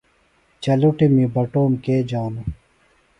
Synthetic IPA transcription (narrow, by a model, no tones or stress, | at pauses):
t͡ʃɐluʈemiːbɐʈoːmkeːd͡ʑaːnu